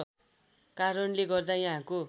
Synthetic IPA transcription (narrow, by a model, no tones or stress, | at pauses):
kaɾʌnleɡʌrd̪ajaɦãko